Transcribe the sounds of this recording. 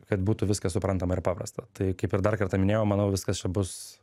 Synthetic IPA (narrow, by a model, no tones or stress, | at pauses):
kɐt̪buːt̪ʊʋʲɪskɐsʊpɾɐnt̪ɐmɐɪɾpɑːpɾɐ̰st̪ɐt̪ɐɪkɐɪpɪɾd̪ɐrkɐrt̪ɐmʲɪnʲeːjoːmɐnɐʊʋʲɪskɐst͡ʃʲɛbʊs